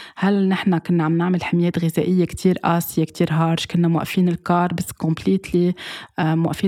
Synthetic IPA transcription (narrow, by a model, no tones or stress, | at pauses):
halnɪħnakɪnːaʕamnɪʕmɪlħɪmjeːt̪ɣɪzeʔɪjːekt̪ʰiːɾʔaːsɪjekt̪ʰiːɾɦɑːɾʒkʊnːamwa̰ʔfiːnɪlkɑːɾˤbasːkɔmpliːt̪li | mwaʔfiː